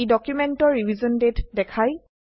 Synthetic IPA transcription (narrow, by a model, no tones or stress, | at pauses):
dɔkjumɛntɔɹɹivizɔndetdɛkʰaj